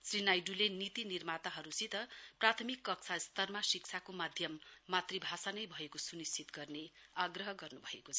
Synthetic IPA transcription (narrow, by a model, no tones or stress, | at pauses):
srinajɖulenit̪inirmat̪aɦʌɾusit̪ʌprat̪ʰʌmikːʌk̚t͡sʰast̪ʌrmasik̚t͡sʰakomad̪ʱjʌmːat̪ribʱasanʌjbʱʌekosunist͡sʰit̪ɡʌrneaɡrʌɦʌɡʌrnubʱʌekot͡sʰʌ